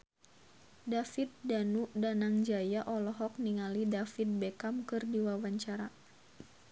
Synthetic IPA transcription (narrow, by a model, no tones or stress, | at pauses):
dafit̪̚danuʔdanaŋd͡ʒajaʔɔlɔɦɔk̚niŋalidafit̪̚bekamkɨrdiwawaɲt͡ʃaɾa